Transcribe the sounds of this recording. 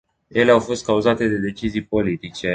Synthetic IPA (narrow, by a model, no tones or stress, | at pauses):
je̞leawfo̞st̪̚kauzat̪e̞d̪e̞d̪e̞t͡ʃizijpo̞lit̪it͡ʃe̞